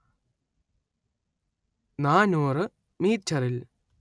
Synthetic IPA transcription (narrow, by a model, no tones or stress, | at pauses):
naːnuːrɨ | miːt͡ɕʰɐril